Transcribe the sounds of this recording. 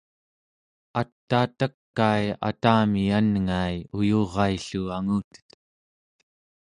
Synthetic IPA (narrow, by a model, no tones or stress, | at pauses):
at̪ːaːt̪əkːaja̰t̪aːmianŋajujoʁɑiɬuaŋuːt̪ə̥t̪